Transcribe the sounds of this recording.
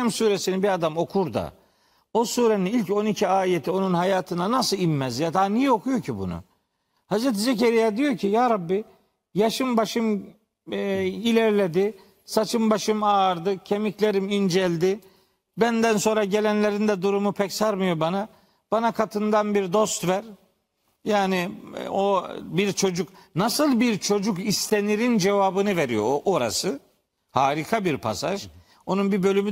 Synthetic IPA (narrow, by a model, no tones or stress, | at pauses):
msuːɾesinibiɾad̪amo̞kʰuɾd̪a̰ | osuːɾeninilʲco̞nicʰiaːjet̪ʰio̞nunɦajaːt̪ʰɯnanasɯlˠimːɛzjad̪aːnijɛo̞kʰujo̞cʰibṵnṵ | hazɾet̪̬izeceɾijad̪ijo̞cʰijaːɾabːi | jaʃɯmbaʃɯm | ilʲɛɾlʲed̪ɪ | sat͡ʃʰɯmbaʃɯmaːɾd̪ɯcʰe̞miclʲeɾimind͡ʒɛlʲd̪ɪ | bænd̪ænso̞nɾaɟe̞lʲænlʲe̞ɾind̪ɛd̪uɾumupʰɛcsaɾmɯjo̞bana | b̥anakʰat̪ʰɯnd̪anbiɾd̪o̞st̪væɾ | jaːniobiɾt͡ʃʰo̞d͡ʒuknasɯlˠbiɾt͡ʃʰo̞d͡ʒukist̪ʰe̞niɾind͡ʒe̞vaːbɯnɯveɾijo̞̰ʔoɾa̰sɯ | haːɾikʰabiɾpʰa̰sa̰ʒ | o̞nunbibø̞lʲymy